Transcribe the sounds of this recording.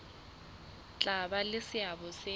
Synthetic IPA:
t͡ɬʼabalɪsɪabɔse

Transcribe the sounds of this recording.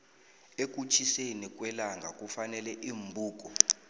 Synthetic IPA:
ek̬ʼut͡ʃʰisenik̬ʼwɛlaŋɡʱakʼufanɛlɛʔiːmbʱuːk̬ʼɔ

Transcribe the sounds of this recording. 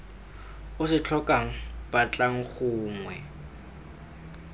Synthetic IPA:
ʊsɪt͡ɬʰɔkʼaŋ̩b̥at͡ɬʼaŋ̩χʊːŋwɛ

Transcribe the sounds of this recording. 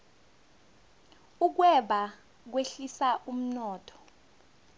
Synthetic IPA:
uk̬wɛɓa | k̬weɬisaʔum̩nɔːtʰɔ̥

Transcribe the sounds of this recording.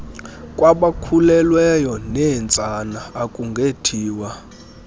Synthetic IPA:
kʼwaɓakʰulɛlwɛjɔnɛnt͡sʼanaːkʼuŋɡʱetʰiːwa

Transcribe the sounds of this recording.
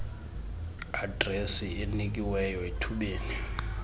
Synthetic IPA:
adresienik̬ʼiwɛjɔetʰuɓeːni

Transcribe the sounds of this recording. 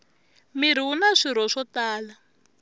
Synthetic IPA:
miɾ̤iwunaʂiɾ̤ɔʂɔtaːla

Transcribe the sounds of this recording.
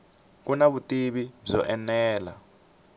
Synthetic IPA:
k̬unaβutʼiɓizɔ̰ʔɛnɛːla̰

